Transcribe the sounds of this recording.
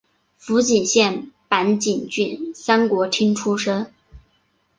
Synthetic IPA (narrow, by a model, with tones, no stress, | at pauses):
fu˧˥t͡ɕi˨˩nɕjɛ˥˩npa˧˥nt͡ɕi˨˩nt͡ɕy˥˩nsa˥nkwɔ˧˥t̪ʰi˥ŋʈ͡ʂʰu˥ʂɤ˥n